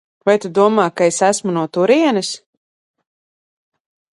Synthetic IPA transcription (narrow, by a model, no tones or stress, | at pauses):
vajt̪ud̪uɔmaːkaesæsmunuɔt̪uɾiɛnɨs